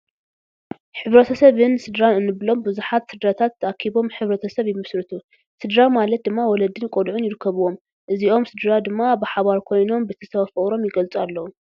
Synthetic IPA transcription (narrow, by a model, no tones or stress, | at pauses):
ħɨβɾɐt̪ʰɐsɐβɨnsɨd̪ɾanɨnːɨβlo̞mbɨzuħat̪sɨd̪ɾat̪ʰat̪ːɐʔakʰiβo̞mħɨβɾɐt̪ʰɐsɐβjɪmɨsɾɨt̪ʰu | sɨd̪ɾamalɐt̪̚d̪ɨmːawɔlɐd̪ɨnkʼod̪ʕʊnjɪɾɨkʰːɐβuwo̞m | ʔɨziʔo̞msɨd̪ɾad̪ɨmːabɨħaβaɾkʰo̞jno̞mbɨt̪ʰɐsɐβɐfɐʔɾo̞mjɪɡɐlt͡sʼualːɐwu